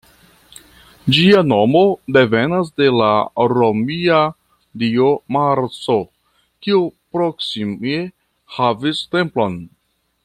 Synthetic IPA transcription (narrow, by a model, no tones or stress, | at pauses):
d͡ʒiano̞mo̞de̞ve̞nas̬de̞laɾo̞mia | dio̞maɾt͡so̞ | kiupɾo̞ksime | haviste̞mplo̞n